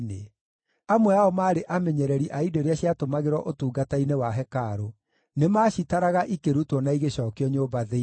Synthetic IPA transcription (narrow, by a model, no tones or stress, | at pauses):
ne | amwɛaɔmaːɾeʔamɛɲɛɾɛɾiʔaidoɾeaɕiatomaɣeɾwɔʔotuːɡatainewaɦɛkaɾo | nemaːɕitaɾaɣaʔikeɾutwɔnaiɣeɕɔːkeɔɲoːbaðe